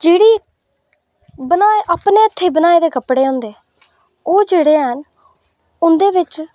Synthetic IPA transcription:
d͡ʒeːɽiː | bənaːeːʔaːpneːət̪ʰːeːbənaːeːd̪eːkəpɽeːɦõːnd̪eː | oːd͡ʒeːɽeːɦən | ʊnd̪eːʋɪt͡ʃ

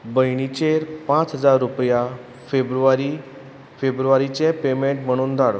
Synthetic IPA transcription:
bəjɽ̃it͡ɕeɾpãt͡sɦəd͡zaɾːupja | febɾuʋaɾi | febɾuʋaɾit͡ɕẽpemeɳʈm̤əɽ̃uːnd̪ʱaɽ

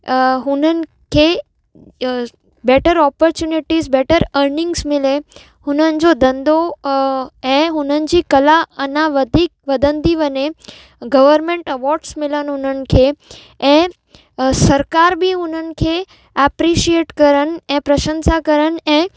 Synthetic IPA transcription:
ɦʊnənɪ̆ | kʰe | beʈəɾɔpɔɾt͡ɕjuniʈizbeʈəɾəɾnɪ̃ŋɡsmɪle | hʊnənɪ̆d͡ʑod̪ə̃nd̪o | ɛ̃ɦʊnənɪ̆d͡ʑikəlaənaʋəd̪ʱik̚ʋəd̪ənd̪iʋəne | ɡəʋəɾmẽɳʈəʋɔɾɖsmɪlənɦʊnənɪ̆kʰe | ɛ̃ | səɾkaɾbʱiɦʊnənɪ̆kʰe | ɛpɾiʃieʈkəɾənɛ̃pɾəʃə̃nsakəɾənɛ̃

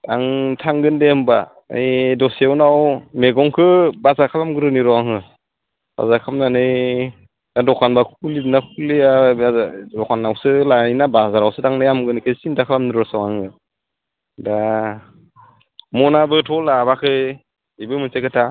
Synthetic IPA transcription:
daŋtʰaŋɡɯndeɯmba̰ | dɔswnawmeɡɔŋkʰɯbazakʰapamɡɯɾɯniɾɔaŋɯ | b̥a̰zakʰamnanɯj | adɔkʰanbakʰulidɯnakʰulia | dɔkʰanːawsɯlainabazaɾawsɯdaŋnajamɡɯnikʰɯsindakʰalamniɾɔsawaŋɯ | da | mɔnabɯtʰɔlabakʰɯ | ibɯmɯnsekʰɯtʰa

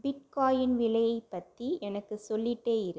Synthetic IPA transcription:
bɪʈ̚kaːjɪnʋɪlɐjɐɪpːɐt̪ːiɛnɐkːɯsɔlːɪʈːeːjɪɾɯ

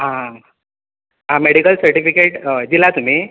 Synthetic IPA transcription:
ɦã | ɦãmeɽikəlsəɾʈifikeʈd͡ʑilat̪um̤i

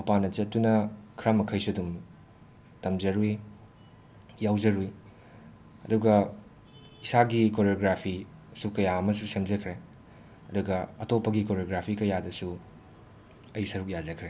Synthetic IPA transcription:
mɐpanɐt͡ʃɐt̚tːunɐkʰɾamɐkʰɐjsuɐdum | tɐmzɐɾui | jawd͡ʒɐɾui | ɐduɡɐ | isaɡikoɾjoɡɾapʰisukɐjaɐmɐsusemzɐkʰɾe | ɐduɡɐɐtopːɐɡikoɾjoɡɾapʰikɐjadɐsu | ɐjisɐɾuk̚jazɐkʰɾe

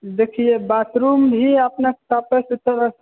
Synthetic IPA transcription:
d̪ekʰiebat̪ɾumbʱiəpnekt̪apesut̪əɾəs

